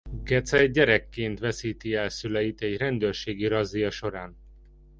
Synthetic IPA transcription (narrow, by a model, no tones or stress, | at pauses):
ɡɛt̪sɛɛɟːɛɾɛkːeːnt̪ʋɛsiːt̪iɛlsylɛjit̪ɛɟrɛnd̪øːrʃeːɡiɾɒzːijɒʃo̞ɾaːn